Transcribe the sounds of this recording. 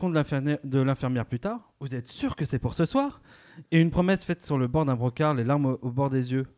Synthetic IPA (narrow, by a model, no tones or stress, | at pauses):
kɔ̃d̪əlɛ̃fɛʁmjɛʁplyt̪aːʁ | vuzɛt̪syʁkəsɛpuʁsəswaːʁ | eynpχɔmɛsfɛt̪syʁləbɔʁd̪ɛ̃bʁɔkaʁlelaʁmobɔʁd̪ezjø